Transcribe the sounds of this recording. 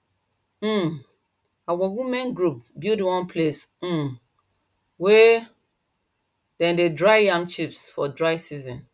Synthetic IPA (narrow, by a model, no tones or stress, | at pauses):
awɔwimɛ̃nɡɹup̚bildiwɔ̃npʰles̩ | we | dɛ̃ndedɹajjãmt͡ʃipsfɔdɹajsizɔ̃n